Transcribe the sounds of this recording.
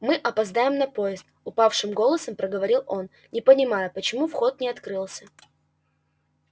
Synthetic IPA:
mɨʔɐpɐzd̪ajɪmnɐpo̞jɪst̪̚ʊpafʂɨmɡo̞lˠəsəmpɾəɡəvɐɾʲilˠo̞n | nʲɪpənʲɪmajəpət͡ɕɪmufxo̞t̪̚nʲɪɐt̪kɾɨlˠsʲə̥

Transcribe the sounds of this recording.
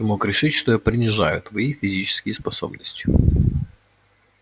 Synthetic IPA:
mokɾʲɪʂɨtʲʂt̪ojapɾʲɪnʲɪʐajʊt̪vɐijfʲɪzʲit͡ɕɪ̥skʲɪjspɐso̰bnəsʲtʲʊ

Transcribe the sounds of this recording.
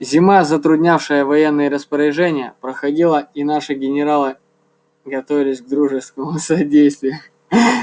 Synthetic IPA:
zʲɪmazət̪ɾʊdʲnʲafʂɨjəvɐjenːɨjəɾəspəɾʲɪʐɛnʲɪjə̰pɾəxɐdʲilˠəinaʂɨɡʲɪnʲɪɾalˠɨ | ɡɐt̪ovʲɪlʲɪsʲɡ̚d̪ɾuʐɨst̪kəmʊsɐdʲejst̪vʲɪjʊ

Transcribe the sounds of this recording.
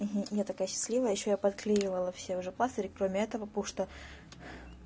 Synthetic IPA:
m̩ɦm̩jat̪ɐkajəɕːɪ̥sʲlʲivəjəjɪɕːojapɐt̪klʲijɪvəlˠəfsʲeʊʐɛplˠast̪əɾʲɪkɾomʲɪɛt̪əvəpuʂt̪ə

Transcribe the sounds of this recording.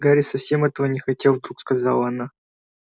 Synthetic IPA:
ɡaɾʲɪsɐfsʲemɛt̪əvənʲɪxɐtʲelˠvd̪ɾukskɐzɑ̰lˠəɐna

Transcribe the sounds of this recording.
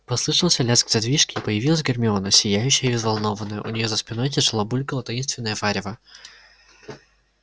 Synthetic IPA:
pɐslˠɨʂɨlˠsʲɐlʲasɡzʲɐd̪vʲiʂkʲɪːpəjɪvʲilˠəs̬ʲɡʲɪrmʲɪo̞nəsʲɪjæjʉɕːɪjəvʲɪzvɐlˠno̞vənːəjə̰ʔʊ̰nʲɪjo̞zəspʲɪnojt̬ʲɪʐɨlˠabulʲkəlˠət̪ɐjinst̪vʲɪnːəjəvaɾʲɪvə

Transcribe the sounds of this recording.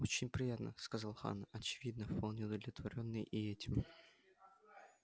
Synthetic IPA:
o̞t͡ɕɪnʲpɾʲɪjat̪nə̰skɐzalˠxa̰nɐt͡ɕɪvʲid̪nəfpalˠnʲɪʊd̪əvlʲɪt̪vɐɾʲo̞nːɨjʔɪɛtʲɪm

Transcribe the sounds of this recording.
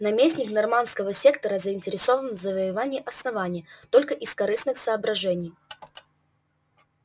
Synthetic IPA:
nɐmʲesʲnʲɪknɐrmanskəvəsʲekt̪əɾəzəɪnʲtʲɪɾʲɪsovənvzəvəjɪvanʲɪjəʔɐsnɐvanʲɪjət̪o̞lʲkəʔɪskɐɾɨsnɨxsəːbɾɐʐɛnʲɪj

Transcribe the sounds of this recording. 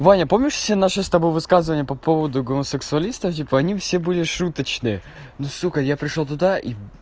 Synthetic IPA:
vanʲəpo̞mnʲɪʂfʲsʲenaʂɨst̪ɐbo̞jvɨskazɨvənʲɪjəpɐpovəd̪ʊɡoməsɨksʊɐlʲist̪əftʲipəɐnʲifsʲebɨlʲɪʂut̪ət͡ɕnɨə | nusuxəjapɾʲɪʂlot̪ʊd̪aʔi

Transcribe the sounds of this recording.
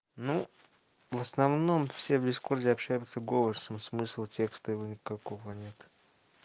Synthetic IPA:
nu | vəsnɐvno̞mfsʲe̞vdʲɪskurdʲɪɐpɕːæjʊt̪səɡovəsəmsmɨslˠtʲe̞kst̪əjɪvonʲɪkɐko̞vənʲe̞t̪

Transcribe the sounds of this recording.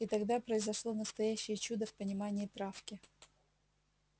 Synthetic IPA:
ɪt̪ɐɡd̪apɾəɪzɐʂlˠonəst̪ɐjæɕːɪjət͡ɕud̪əfpənʲɪmanʲɪːt̪ɾafkʲɪ

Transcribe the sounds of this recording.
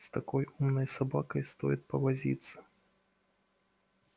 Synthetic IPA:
st̪akɔjumnəjsabakəjst̪ɔjit̪̚pɐvazʲḭt̪sə̥

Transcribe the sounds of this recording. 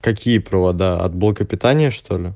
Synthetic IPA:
kɐkʲijəpɾəvɐd̪aɐ̰t̪̚blˠəkəpʲɪt̪anʲɪjəʂt̪ʰo̞lʲɪ

